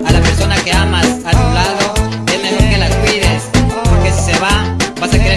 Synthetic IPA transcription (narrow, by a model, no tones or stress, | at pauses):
alapeɾsonakeamasat̪ulaðo | enelokelakwiɾespoɾkesi̥seβaβasekeɾe